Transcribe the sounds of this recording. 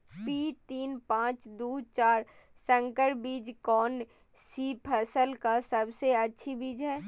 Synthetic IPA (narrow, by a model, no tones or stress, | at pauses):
piːt̪iːnpãːt͡ʃd̪uːt͡ʃaːɾ | sə̃ŋkəɾbiːd͡ʒkɔːn | siːpʰɐsəlkasəbseɐtːʃʰibiːd͡ʒɦɛː